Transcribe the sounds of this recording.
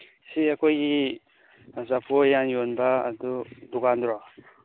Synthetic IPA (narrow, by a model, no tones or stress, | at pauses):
siakojɡi | zapʰojanjonba̰ːd̪ud̪ukand̪ɾɔ